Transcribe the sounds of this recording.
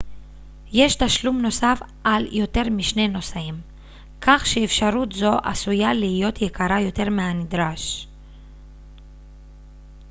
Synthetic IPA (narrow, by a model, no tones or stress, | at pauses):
je̞ʃtaʃlumno̞saf | ʔaljo̞te̞ʁmiʃne̞no̞saim | kaχʃeːfʃaʁutzo̞ʔa̰sujaliijo̞tjekʰaʁajo̞te̞ʁmeanid̪ʁaʃ